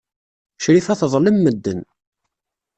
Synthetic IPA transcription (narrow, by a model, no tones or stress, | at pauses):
ʃɾifæθəðˤləmːəd̪ːən